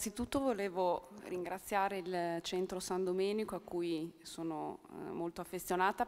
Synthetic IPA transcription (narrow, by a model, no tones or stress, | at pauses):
asit̪ut̪ːovoleːvoriŋɡɾat̪sːjaːɾeilt͡ʃɛnt̪ɾosand̪omɛːnikoakːujsoːnomolt̪oafːesjonaːt̪a